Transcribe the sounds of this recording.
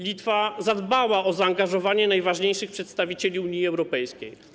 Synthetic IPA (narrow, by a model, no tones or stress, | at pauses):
lʲit̪fazad̪bawaʔɔzaːŋɡaʐɔvaɲɛnajvaʐɲejʂɘxpʂɛt̪st̪avʲit͡ɕelʲiuɲiɛwɾɔpɛjskʲej